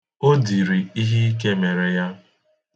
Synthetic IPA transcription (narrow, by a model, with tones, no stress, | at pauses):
o˦di˨ɾi˨i˦ɦi˦k̬e˦me˨ɾe˨ja˦